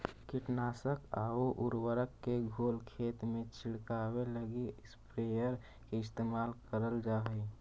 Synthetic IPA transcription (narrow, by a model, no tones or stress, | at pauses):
kiʈnaːsəka̰oʔuɾwəɾəkːeɡʱoːlkʰeːt̪mẽt͡ʃʰɪɽkaweləɡispɾejəɾ | keɪst̪eːmaːlkəɾəld͡ʒaːɦəj